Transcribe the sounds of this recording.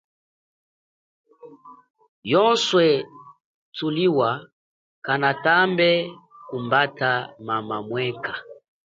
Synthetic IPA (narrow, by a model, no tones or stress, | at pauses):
jɔnswɛ | tuliwa | kanatambɛkumbatamamamwɛka